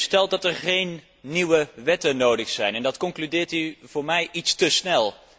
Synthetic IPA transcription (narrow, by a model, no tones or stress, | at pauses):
stɛlˠt̚dɑtɛɹχejnː | iwəʋɛtənowdəχsɛjnɛndɑtkɔŋklydɪːɹtiv̥ʊːɹmɛjʔitstəsnɛlˠ